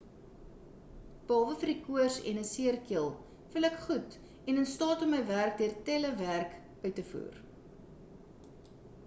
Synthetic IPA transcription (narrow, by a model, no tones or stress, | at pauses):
b̥əɑːvəfərikuərsɛ̰nəsiərkiəlˠ | fəlækχut | ɛnənstɑːtɔmːəjværk̚diərtɛləværk | œɥtəfṵːr